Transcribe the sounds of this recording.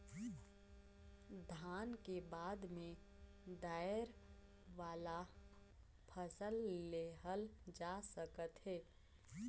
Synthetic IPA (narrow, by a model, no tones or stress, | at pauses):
d̪ʱaːnkebaːd̪mẽ | d̪aːɪəɾ | ʋaːla | pʰəsəlːeɦəld͡ʒasəkət̪ɦɛː